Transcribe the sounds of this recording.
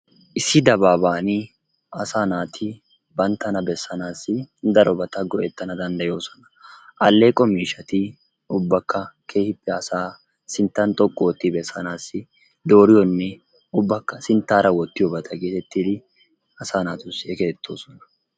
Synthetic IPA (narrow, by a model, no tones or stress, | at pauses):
ʔɪsːɪd̪ɐbaːbaːnɪ | ɐsaːnaːt̪ʰɪ | bɐnt̪ːɐnɐbɛsːɐnaːsːɪd̪ɐɾʔɔbɐt̪ɐɡɔʔɛt̪ːɐnɐd̪ɐnd̪ɐjo̞ːsɔ̥nɐ̥ʔɐlːe̞ːkʼːɔmiːʃɐt̪ɪ | ʊbːɐkːɐkʰe̞ːhɪpːɛɐsaː | sɪnt̪ːɐnt̪ʼɔkʼːɔɔt̪ːɪbɛsːɐnaːsːɪ | d̪o̞ːɾɪjɔnːɛ | ʊbːɐkːɐsɪnt̪ːaːɾɐwɔt̪ːɪjɔbɐt̪ʰɐɡeːt̪ɛt̪ːid̪ɪ | ɐsaːnaːt̪ʊsːɪɛkeːt̪ːo̞ːsɔnɐ̥